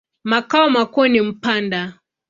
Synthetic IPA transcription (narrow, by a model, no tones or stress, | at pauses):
makaɔmakɔnim̩panda